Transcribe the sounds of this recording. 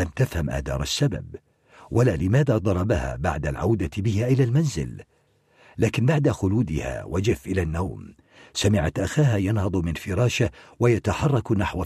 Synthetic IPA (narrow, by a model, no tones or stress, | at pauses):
lamt̪afhamʔa̰ːd̪ɑ̰ːɾˤasːaba̰b | wʔalaːlɪmaːðaːd̪ˤɑɾˤɑbaha̰ːba̰ʕd̪alʕa̰wd̪abɪhaːʔɪlaːlmanzɪ̰l | laːkɪnbaʕd̪axʊluːd̪ɪha̰ːwʔad͡ʒɪfʔɪlanːawm | samɪʕat̪ʔaxaːɦaːjɑnhɑd̪ˤmɪnfɪɾˤɑːʃawajat̪aħɑrˤːɑknaħwa